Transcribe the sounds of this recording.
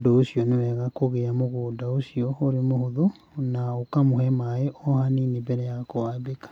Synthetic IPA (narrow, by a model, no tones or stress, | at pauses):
doosiɔnewɛɣakoɣeamoɣoːdaosiɔoɾemohoðo | naokamohɛmaeʔɔhaninebɛɾɛjakoabekḁ